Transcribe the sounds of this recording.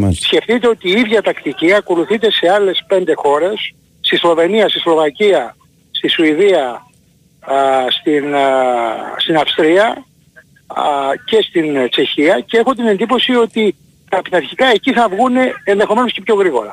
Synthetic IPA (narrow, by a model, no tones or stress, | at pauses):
sce̞ft̪it̪e̞o̞t̪iːiðʝɐt̪ɐkt̪iciɐko̞luθit̪e̞se̞ɐle̞spe̞nd̪e̞xo̞ɾe̞sː | t̪islo̞ve̞niɐst̪islo̞vɐciɐ | st̪isuiðiɐ | st̪in | st̪inɐfst̪ɾiɐ | ce̞st̪int͡ʃe̞çiɐceexot̪ine̞nd̪ipo̞sio̞t̪i | t̪pit̪ɐɾçikɐe̞ciθɐvɣune̞ːnðe̞xo̞me̞no̞sce̞pço̞ɣɾiɣo̞̰ɾɐ